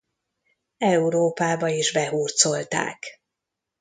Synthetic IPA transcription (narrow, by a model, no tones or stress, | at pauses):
ɛuɾoːpaːbɒiːʒbɛɦuːrt̪so̞lt̪a̰ːk